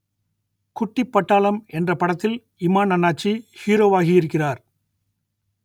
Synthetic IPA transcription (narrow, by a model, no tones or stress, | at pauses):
kʊʈːɪpːɐʈːaːɭɐmɛndrɐpɐɽɐt̪ːɪl | ɪmaːnɐnːaːt͡ʃːihiːɾoːʋaːɣɪjɪɾɯkːɪraːɾ